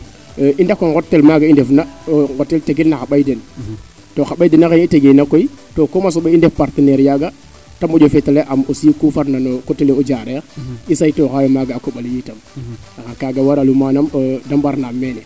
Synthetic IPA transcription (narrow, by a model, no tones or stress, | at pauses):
ʔindakːoŋɡotːelmaɡaindefnaɡotːelteɡilnaxaɓajden | toxaɓajdenakeniteɡinakoitokomas̬oɓeindefpaɾteneɾjaɡa | tamoɟofeteleʔamosikufaɾnanokoteleod͡ʒaɾeɾisajtokajomaɡaakoɓaljiːtamnakakaɡawaɾalumanamodambaɾnamːenɛ